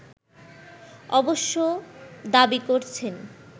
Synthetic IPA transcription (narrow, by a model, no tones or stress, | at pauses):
ɔboʃːod̪abikoɾt͡ɕʰen